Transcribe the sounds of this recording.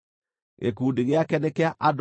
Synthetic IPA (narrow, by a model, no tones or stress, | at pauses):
ɣḛkuːdiɣeakɛnɛkeaʔad